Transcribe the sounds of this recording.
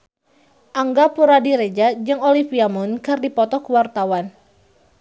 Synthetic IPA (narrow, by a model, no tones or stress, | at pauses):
ʔaŋɡapuɾadiɾɛd͡ʒad͡ʒɨŋɔlifiamɔnkɨrdipɔt̪ɔkəwart̪awan